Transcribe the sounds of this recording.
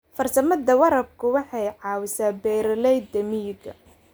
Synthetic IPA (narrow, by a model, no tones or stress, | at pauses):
fɐrsɐmɐd̪ɐwɐɾɐb̚kʰʊwɑħɑjʕɑːwɪsaːbɛːɾɐlɛjd̪ɐmiːɡɐ